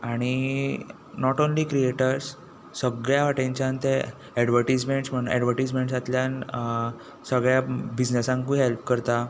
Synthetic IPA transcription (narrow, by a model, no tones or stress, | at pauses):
aɽ̃i | nɔʈonliːkɾieʈəɾs | səɡɭjaʋaʈẽɲt͡ɕjant̪e | ɛɖʋəɾʈid͡zmeɳʈsm̤əɳ̃ɛɖʋəɾʈid͡zmeɳʈsat̪ljan | səɡɭjabid͡ʑnesãŋkũɦelp̚kəɾt̪a